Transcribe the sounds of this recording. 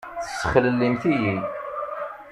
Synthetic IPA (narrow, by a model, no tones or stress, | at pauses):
θəssːəχələlːimθiji